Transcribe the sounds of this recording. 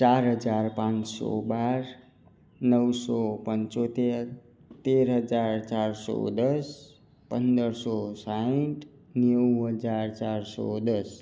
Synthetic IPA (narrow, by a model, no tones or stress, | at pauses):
t͡ʃaɾɦəd͡zaɾpãnsɔ̰baɾ | nʌwsɔpənt͡ʃot̪eɾ | t̪eɾɦʌd͡zaɾt͡ʃaɾsɔ̰d̪ʌs | pənd̪əɾsɔsaʈ | njəwɦʌd͡zaɾt͡ʃaɾsɔ̰d̪ʌs